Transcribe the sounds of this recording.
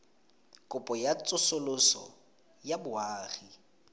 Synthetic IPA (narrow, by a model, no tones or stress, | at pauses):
kʼʊpʼɔjat͡sʼʊsʊlʊsɔ̰ | jabʊaːχi